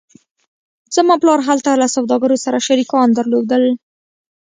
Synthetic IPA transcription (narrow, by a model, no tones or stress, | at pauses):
z̥əmɑplɑɾɦalt̪alasawd̪ɑɡaɾosaɾaʃaɾikɑnd̪əɾlod̪əl